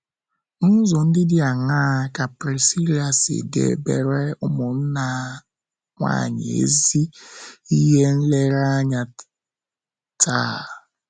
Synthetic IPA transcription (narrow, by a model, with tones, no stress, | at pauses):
n̩˦zʊ˨n̩˦dɪ˦dɪ˦a˨ŋaː˦˨ka˨pɾi˨si˦ɾi˦a˨sɪ̰˨dḛ˦˨˦be˨ɾe˦ʊ˦mʊ˨n̩˦na˨ | ŋʷa̰˦˨ɲɪ̰˨ḛ˦zi˦i˦ɦe˦n̩˦le˦ɾa˦ɲa˨ | taː˦˨